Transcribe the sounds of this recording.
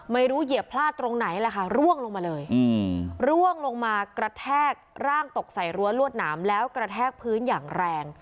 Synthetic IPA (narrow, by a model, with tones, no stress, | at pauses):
ma˥˩jɾuː˦˥ji˨˩əpʰlaː˥˩t̪ːɾo˧ŋna˩˦jlɛ˧˩kʰa˥˩ɾu˥˩əŋlo˧ŋmaː˧lɤː˧jɯ˧ɾu˥˩əŋlo˧ŋmaː˧kɾa˧t̪ʰɛː˥˩k̚ɾaː˥˩ŋt̪o˨˩k̚sa˨˩jɾu˧əlu˥˩ət̪̚naː˩˦mlɛː˦˥wkɾa˧t̪ʰɛː˥˩k̚pʰɯː˦˥njaː˨˩ŋɾɛː˧ŋ